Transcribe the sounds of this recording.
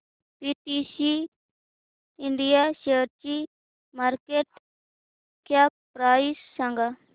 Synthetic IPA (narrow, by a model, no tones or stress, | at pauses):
piːʈisi | ɪɳɖijaseːɾt͡ʃi | maːɾkeːʈ | kʰjapɾaːisːãŋɡa